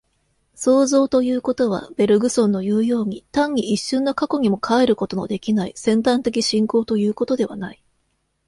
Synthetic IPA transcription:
so̞ːzo̞ːt̪o̞jɯ̟ːko̞t̪o̞β̞a̰b̥e̞ɾɯ̟ɡɯ̟sõ̞nːojɯ̟ːjo̞ːɲ̟it̪ãɲ̟ːiʔiɕːɨ̃nːo̞kako̞ɲ̟imo̞kʰaeɾɯ̟ko̞t̪o̞no̞̰d̪e̞kʲinaisẽ̞nt̪ãnt̪e̞kʲiɕĩŋko̞ːt̪o̞jɯ̟ːko̞t̪o̞d̪e̞βa̰nai

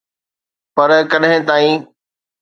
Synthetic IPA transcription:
pɐɾkɐɗɦɪ̃t̪aːĩ

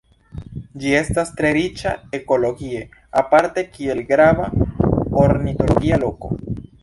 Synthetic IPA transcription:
d͡ʒie̞stastɾe̞ɾit͡ʃa̰e̞ko̞lo̞ɡie̞ | apaɾte̞kie̞lɡɾavaoɾnito̞lo̞ɡialo̞ko̞̰

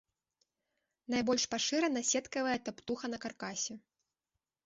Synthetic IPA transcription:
najbɔlʲʂpaʂɨɾɛnɐsʲɛt̪kɐvɐjɛt̪apt̪uxɐnɐkarkasʲɛ

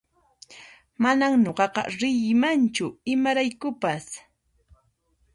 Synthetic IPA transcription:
manaŋɲoɢɑqɑ̰ɾɪjɪmant͡ʃʊɪmaɾajkʊpas

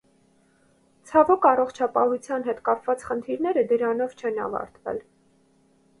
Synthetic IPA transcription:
t͡sʰɑvɔkʰɑrɔχt͡ʃʰɑpɑhut͡sʰjɑnɦɛt̪kɑpvɑt͡sχənt̪ʰiɾnɛɾəd̪əɾɑnɔvt͡ʃʰɛnɑ̰vɑ̰ɾt̪vɛ̰l

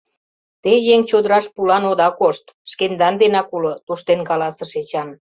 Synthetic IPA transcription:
t̪ejeŋt͡ɕod̪əɾɑʃpulɑnod̪ɑkoʃt̪ʃkend̪ɑnd̪enɑkulot̪uʃt̪enkɑlɑsɤ̆ʃet͡ɕɑn

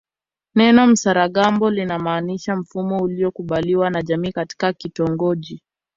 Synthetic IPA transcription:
nɛnɔm̩saɾaɠambɔlinamaːniʃam̩fumɔuliɔkuɓaliwanaʄamiːkati̥kakitɔŋɡɔʄi

